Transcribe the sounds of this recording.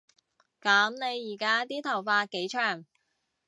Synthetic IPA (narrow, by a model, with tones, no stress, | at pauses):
kaː˨˥mne˨˧jːiː˨˩kaː˥t̪iː˥t̪ʰɐ˨˩wfaː˧t̚ke˨˥jt͡ʃʰœː˨˩ŋ